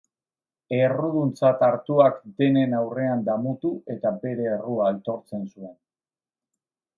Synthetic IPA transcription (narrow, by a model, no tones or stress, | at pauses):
e̞ruðunt͡sat̪aɾt̪uakd̪e̞ne̞nawre̞and̪amut̪ue̞t̪abe̞ɾe̞ːruaːlt̪o̞ɾt͡se̞nsue̞n